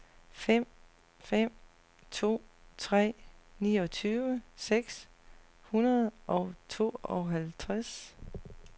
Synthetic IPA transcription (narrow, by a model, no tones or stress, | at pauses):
fem̰ | fem̰ | t͡sʰo̝̰ːt͡sʰʁɛ̰ːniːɒ̽t͡sʰyːʋəseɡ̥s | hunɐð̩ˠʔɒ̽ʊt͡sʰo̝̰ːɒ̽ɦælt͡sʰʁɛs